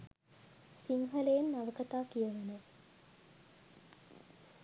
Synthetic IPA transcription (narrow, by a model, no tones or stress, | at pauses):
siŋɦɐlejenːaʋəkət̪aːkijəʋunə